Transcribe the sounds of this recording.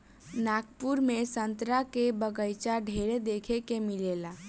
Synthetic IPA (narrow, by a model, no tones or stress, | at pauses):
nakpuɾmesənt̪ɾakebəɡəjt͡ʃaɖʱeɾed̪ekʰekemilela